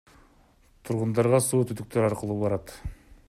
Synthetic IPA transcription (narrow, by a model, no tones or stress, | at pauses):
t̪ʰuɾʁʊnd̪ɑɾʁɑsuːt̪ʰʏd̪ʏk̚t̪eɾɑɾqəlˠuːbɑɾɑt̪